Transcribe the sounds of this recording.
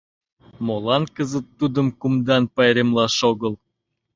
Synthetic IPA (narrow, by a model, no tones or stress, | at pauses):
molɑnkəzət̪ːud̪əmkumd̪ɑnpɑjɾemlɑʃoɣəl